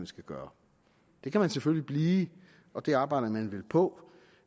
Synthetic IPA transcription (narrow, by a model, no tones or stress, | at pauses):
mænsɡ̥ʰæɡ̥ɶːɐ | d̥e̝kʰæmænseføllib̥liː | ɒ̽d̥e̝ɑ̈ːb̥ɑ̈ɪ̰ɾɐmænʋe̝lpʰɒ̽